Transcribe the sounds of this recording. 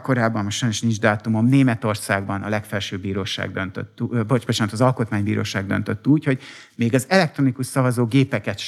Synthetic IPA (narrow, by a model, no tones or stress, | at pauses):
ko̞ɾaːbːɒmmoʃʃɒjnoʃnind͡ʒd̪aːt̪umomneːmɛt̪o̞rsaːɡbɒnɒlɛkfɛlʃøːbiːɾoːʃa̰ːɡd̪ønt̪ø̰t̪ːbobot͡ʃaːnt̪ɒzɒlko̞t̪maːɲbiːɾo̰ːʃaːɡd̪ønt̪øt̪ːuːcho̞ɟ | meːɡɒzɛlɛk̚t̪ɾo̞nikuʃsɒvɒzoːɡeːpɛkɛt̪ʃ